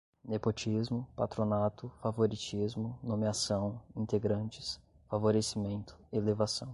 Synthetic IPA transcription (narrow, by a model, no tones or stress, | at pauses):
nepot͡ʃizmʊpat̪ɾonat̪ʊfavoɾit͡ʃizmʊnomeasɐ̃w̃ĩnt̪eɡɾɐ̃nt͡ʃɪ̥s | favoɾesimẽnt̪ʊ̥ɪelevasɐ̰̃w̃